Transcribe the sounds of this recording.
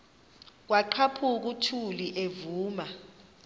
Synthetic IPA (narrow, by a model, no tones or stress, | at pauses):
k̬waǃʰapʰuk̬utʰuliʔevuːma